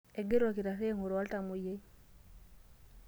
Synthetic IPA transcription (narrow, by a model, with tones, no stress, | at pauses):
e˨ɡe˦ɾo˨ki˨ɾa˨se˦ŋo˨ɾo˨a˦lta˨mu˨je˦